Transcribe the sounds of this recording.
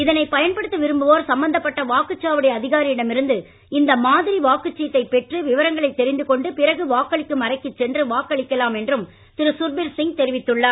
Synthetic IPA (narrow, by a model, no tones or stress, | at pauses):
ɪðɐnɐɪpɐjɐnpɐɽɯt̪ːɯʋɪɾɯmbɯʋoːɾsɐmbɐnd̪ɐpːɐʈːɐʋaːkɯt͡ʃːaːʋɯɽɐjɐːðɪɣaːɾiɪɽɐmɪɾɯnd̪ɯ | ɪnd̪ɐmaːðɪɾiʋaːkɯt͡ʃːɪjt̪ːɐɪpːɛʈrɯʋɪʋɐɾɐŋɡɐɭɐɪt̪ːɛɾɪnd̪ɯkɔɳɖɯpɪrɐɣɯʋaːkːɐɭɪkːɯmɐrɐɪkːɯt͡ʃːɛndrɯʋaːkːɐɭɪkːɐlaːmɛndrɯm | t̪ɪɾɯsʊɾbɪɾsɪŋɡ̚t̪ɛɾɪʋɪt̪ːɯɭːɐ